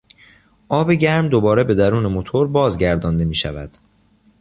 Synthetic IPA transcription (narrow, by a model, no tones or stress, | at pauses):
ʔɒːbeɟæɾmd̪obɒːɾe̞be̞d̪æɾuːne̞mot̪ʰoɾbɒːzɟæɾd̪ɒːnd̪e̞miːʃæ̰væ̰d̪̥